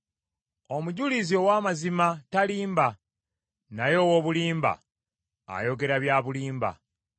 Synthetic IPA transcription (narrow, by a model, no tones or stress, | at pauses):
omuɟulizio̞waːmazimataliːmba | najo̞ːwoβuliːmba̰ | a̰jo̞ɡe̞ɾaβjaːβuliːmba̰